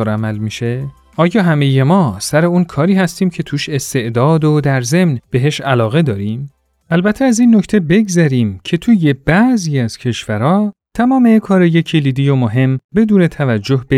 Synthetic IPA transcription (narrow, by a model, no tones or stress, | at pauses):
oɾæmælmiʃe | ʔɒːjɒːɦæme̞jemɒːsæɾe̞uːnkʰɒːɾiːhæst̪iːmcʰe̞t̪ʰuːʃe̞st̪e̞ʔd̪ɒːd̪od̪æɾze̞mnb̥e̞ɦe̞ʃælɒːɣe̞d̪ɒːɾim | ælbæt̪ʰeæziːnːo̞cʰt̪ʰe̞be̞ɡzæɾiːmcʰe̞t̪ʰuːje̞b̥æziːæz̥cʰe̞ʃvæɾɒːt̪ʰæmɒːmekʰɒːɾejecʰeliːd̪ijomoɦe̞mbe̞d̪uːne̞t̪ʰævæd͡ʒːohbe